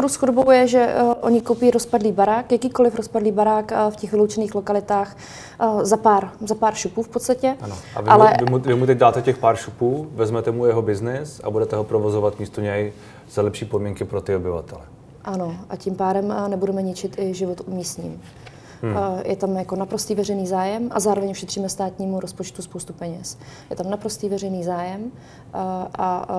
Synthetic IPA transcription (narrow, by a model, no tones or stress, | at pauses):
spoɾusxodobo̞wjɛʒɛʔo̞ɲɪkowpiːɾospadliːbaɾaːkjakiːko̞lɪfɾospadliːbaɾaːkfcɛxvɪlowt͡ʃɛniːxlo̞kalɪt̪aːx | zapaːɾzapaːɾʃupuːfpot̪st̪acɛanoa̰valɛɪmuvɪmut̪ɛɟdaːt̪ɛcɛxpaːɾʃupuːvɛzmɛt̪ɛmujɛɦobɪznɪsa̰budɛt̪ɛɦopɾovozovat̪miːst̪oɲɛj | z̥alɛpʃiːpodmiŋkɪpɾot̪ɪobɪva̰t̪ɛlɛ | ʔano̞ʔacimpaːɾɛmnɛbudɛmɛɲɪt͡ʃɪt̪ɪʒɪvot̪umiːst̪ɲḭm | jʔɛt̪amjako̞napɾost̪iːvɛrɛjniːzaːjɛmʔa̰zaːɾovɛɲfʃɛt̪r̝̥iːmɛst̪aːt̪ɲiːmuɾospot͡ʃt̪uspowst̪upɛɲɛsjɛt̪amnapɾo̞st̪iːvɛr̝ɛjniːzaːjɛm | ʔa